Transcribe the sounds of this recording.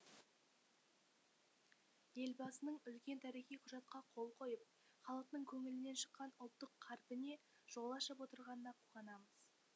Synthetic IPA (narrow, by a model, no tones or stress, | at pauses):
je̞lbɑsənəɴʏlkʲe̞nt̪ʰæɾijχʲijqʰʊʒɑt̪̚qɑqʰo̞lˠqʰo̞jəp̚ | χɑlˠəq̚t̪əɴkʲʰɵŋɪlɪne̞nʃə̥qːɑnʊlˠt̪ːəqʰːɑɾpɪne̞ | ʒ̥o̞lˠɑʃəpwo̞t̪əɾʁɑnənɑqʰuʁɑnɑməz̥